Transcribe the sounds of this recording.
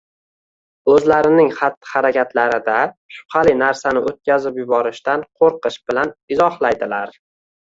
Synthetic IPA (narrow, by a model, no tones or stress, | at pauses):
ɵzlaɾɪnɪŋχat̪ːɪ̥haɾakʲʰat̪ʰlaɾɪd̪aʃʊ̥χɑlinaɾsanɪot̪̚kʲazɪpjʊbɒɾɪʃt̪anqʰoɾqʰɨʃb̥ɪlanɪzɒhlˠajd̪ɪlaɾ